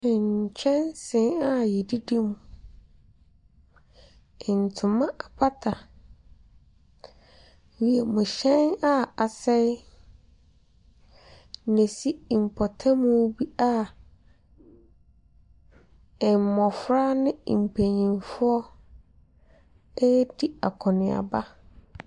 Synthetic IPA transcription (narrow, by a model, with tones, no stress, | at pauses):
ɪ̃˨ɲ˨t͡ɕʰɛ̃˦nsɪ̃˨˦na˦jɛ˨di˦de˦mũ˨ | ɪ˨n̩˨tʰʊ˨mã˦ʔa˨pʰa˦tʰa˨ | wi˨ɛ˨mʊ̃˨ɕɛ̃˦na˦a˨sɛ˦ | nẽ˨si˦˨m̩˨pʰɔ˨tʰã˦mũ˦bi˦a˦ | ɛ˨m˨mɔ̃˨fɾa˦nɪ̃˦˨m̩˨pʰe˨ɲĩ˨nfʊ˦ɔ˦ | ɛ˦di˦a̰˨kʰɔ˨nɪ̃˨a̰˨ba˦